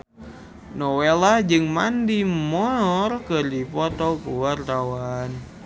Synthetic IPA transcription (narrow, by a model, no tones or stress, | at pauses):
nɔwelahd͡ʒɨŋmandimɔɔrkɨrdipɔt̪ɔkuwart̪awan